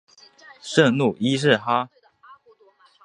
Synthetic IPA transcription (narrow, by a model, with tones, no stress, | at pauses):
ʂə˥˧ŋnu˥˩i˥ʂɻ̩˥˩xa˥